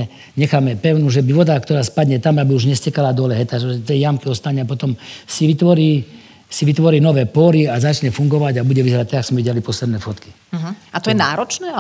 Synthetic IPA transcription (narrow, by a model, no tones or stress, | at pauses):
ɛ | ɲɛxaːmɛpɛʊnuʒɛbiʋɔd̪akt̪ɔɾaːspad̪ɲɛt̪amabiuʒɲɛscɛkalad̪ɔlɛɦɛt̪aʒɛɛt̪ɛjamkiɔst̪aɲɛapɔt̪ɔmsiʋit̪ʋɔɾiː | siʋit̪ʋɔɾiːnɔʋɛːpɔɾiazat͡ʃɲɛfuŋɡɔʋaɟabuɟɛʋizɛɾat̪ɛɡaksmɛʋiɟɛalipɔslɛd̪nɛfɔt̪ki̥ | at̪ɔjɛnaːɾɔt͡ʃnɛːa